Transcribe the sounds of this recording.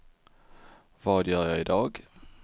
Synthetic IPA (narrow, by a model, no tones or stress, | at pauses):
ʋɑːd̪jøːjæɪid̪ɑːɡ